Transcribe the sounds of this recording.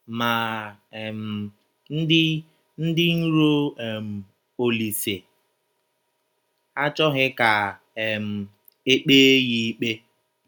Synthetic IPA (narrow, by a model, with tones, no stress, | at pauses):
ma˨ | m̩˨ | n̩˦dɪ˦ | n̩˦dɪ˦n̩˦ɾo˦ɛ˨m̩˨ | o˨li˨se˨ | a˦t͡ʃɔ˦ɣɪ˦ka˨ | ɛ˨m̩˨ | e˦k͡peː˦ɣi˦i˦k͡pe˦